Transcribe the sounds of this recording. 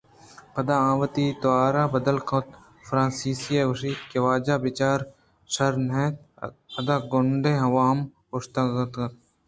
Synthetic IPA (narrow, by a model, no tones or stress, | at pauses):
pɐd̪aãːʋət̪iːt̪oaːɾaːbɐd̪əlkʰɐt̪ | fɾãːnsiːsijeɡʊʃiːt̪keʋaːd͡ʒaːbɪt͡ʃaːɾ | ʃɐɾneːt̪̚ɐd̪aːɡʊɳɖʱẽːɦɐʋaːm | ʊʃt̪ɐɡt̪ɐt̪̚